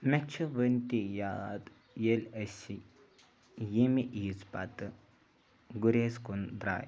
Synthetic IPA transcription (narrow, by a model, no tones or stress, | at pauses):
mɛt͡ʃʰuʋənt̪ijad̪ | jelʲəsi | jimiʔiːt͡spa̰t̪ɨ | ɡuɾʲeːskund̪ɾa̰ːj